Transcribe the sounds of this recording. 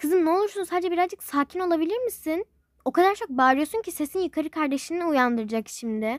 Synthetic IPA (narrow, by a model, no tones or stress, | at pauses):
kʰɯzɯmnɛolˠuɾsunsaːd̪d͡ʒɛbiɾazd͡ʒɯksaːcʰino̞lˠabilʲiɾmisin | o̞kʰad̪aɾt͡ʃʰo̞k̚baːɾɯjo̞suɲcʰise̞sinjɯkʰaɾɯkʰaɾd̪e̞ʃiniujand̪ɯɾɯd͡ʒakʃimd̪ɪ